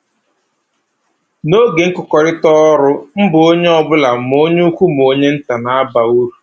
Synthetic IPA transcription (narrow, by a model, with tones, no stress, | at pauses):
no˦ɡe˨ŋ̩˦kʊ˨kɔ˨ɾɪ˦tɔ˦ɾʊ˦m̩˦bʊ˨o˦ɲe˦ɔ˦bʊ˦la˨m˨o˦ɲe˦u˦kʷu˦m˨o˦ɲe˦n̩˦ta˨na˨a˦ba˨u˦ɾu˨